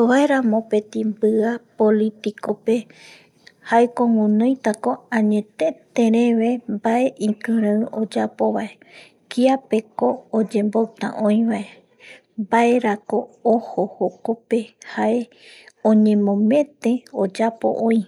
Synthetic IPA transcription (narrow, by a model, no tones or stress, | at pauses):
oβaeɾãmõ̞pe̞t̪ĩmbɨapolit̪ikope̞ | haekoŋũnõjt̪ako̞ãɲet̪e̞t̪ẽɾẽ̞ʋe̞mbaʔeʔĩkɨ̃ɾãɨod͡ʒapo̞βae̞ | kiape̞koːd͡ʒe̞mbowt̪ã̰ʔõĩʋae | mbae̞ɾakoohohokope̞hae | õɲẽ̞mõ̞mẽ̞t̪ẽ̞od͡ʒapo̰ʔõĩ